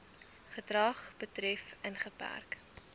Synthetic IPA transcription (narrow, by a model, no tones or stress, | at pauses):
χətrɐχb̥ətrɛfənχəpæ̰rk